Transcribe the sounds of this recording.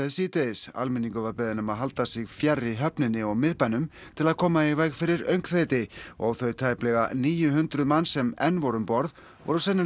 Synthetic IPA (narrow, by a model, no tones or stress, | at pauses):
ɛsiːt̪esa̰lmɪniŋkʏvaɾpɪðɪnʏmaðɦalt̪asɪɣfjarːiɦœpnɪnːɪɔɣmɪðpanʏm | t̪ʰɪlaðkʰɔːmaivajkfɪɾɪɾœɥŋkfejt̪ɪɔɣθœɥt̪ʰaːjplɛɣa̰niːjʏɦʏnt̪ɾʏmansɛmɛnvɔɾʏmpɔɾð | vɔ̰ɾʏsɛnːɪ